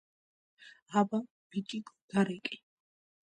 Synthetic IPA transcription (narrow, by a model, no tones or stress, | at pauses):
aba | b̥it̪ʼikʼɔd̪̥aɾɛkʼi̥